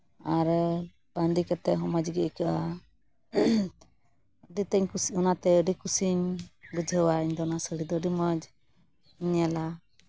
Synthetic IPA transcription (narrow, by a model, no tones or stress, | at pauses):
aɾ | band̪ikɛt̪ːɛɦɔmad͡ʒɡɛʔkaʔa | əɖit̪ɛɲkɔnat̪ɛəɖikusiɲbəd͡ʒʱəwaiɲd̪ɔɔnasəɽid̪ɔɖiməd͡ʒ | iɲala